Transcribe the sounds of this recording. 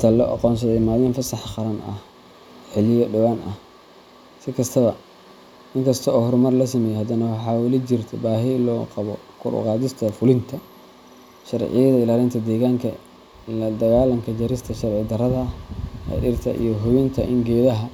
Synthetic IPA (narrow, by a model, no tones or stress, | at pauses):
t̪ʰɐlɔːʔɑ̰qɔːns̬ɐðɛmaːlɪnfɐsɑħχɑɾɐnɐ̰h | ħɪlɪjɔɖɐwaːnʔɐ̰h | sɪkʰɐst̪ʰɐβɐ | ʔɪŋkʰɐst̪ʰɔɔːhʊɾʊmɐrlɐsɐmɛjɛhɐd̪ɐnɐwɑħɑːwɐlit͡ʃɪrt̪ʰɛ̰baːɦɪlɔːqɑβɔ | kʰʊɾʔʊ̰qɑːðɪst̪ʰɐfʊlɪnt̪ʰɐ | ʃɐrʕɪ̰jɐðɐɪlaːlɪnt̪ʰɐd̪ɛːɣaːŋkʰɐ̰ | lɐd̪ɐɣaːlɐŋkʰɐd͡ʒɐɾɪst̪ʰɐʃɐrʕɪd̪ɐrɐðɐhɐ̰ɗɪrt̪ʰɐ̰ʔḭjɔɦʊβɪnt̪ʰɐʔɪŋɡɛːðɐɦɐ